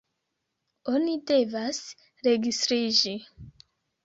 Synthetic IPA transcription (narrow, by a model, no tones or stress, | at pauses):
onide̞vas | ɾe̞ɡistɾid͡ʒi